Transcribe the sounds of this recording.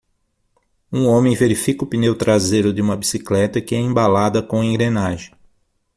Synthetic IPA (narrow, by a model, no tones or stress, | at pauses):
ũõmẽj̃veɾifikʊpinewt̪ɾazejɾʊd̪ɪũmɐbisiklɛt̪ɐkɪɛẽmbalad̪ɐkõẽŋɡɾenaʒẽj